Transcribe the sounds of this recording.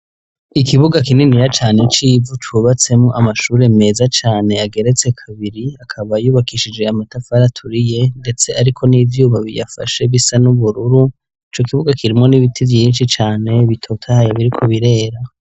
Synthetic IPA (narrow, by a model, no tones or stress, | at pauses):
ikiβuɡakininiɾat͡ʃaːne̞t͡ʃiːvutuβat͡se̞mŋoʔamaʃuːɾe̞me̞ːzat͡ʃaːne̞aɡe̞ɾe̞t͡se̞kʰaβiɾiakʰaβajuːβakiʃid͡ʒe̞amatafaɾatʰuɾije̞nde̞t͡se̞aɾikʰo̞niːvjuːβaβḭja̰fa̰ʃe̞βisanuβuɾuɾu | it͡ʃokiβuɡakʰiɾimŋo̞niβitʰivjiːnʃit͡ʃaːne̞βitʰo̞tʰahajaβiɾikʰo̞βiɾe̞ːɾa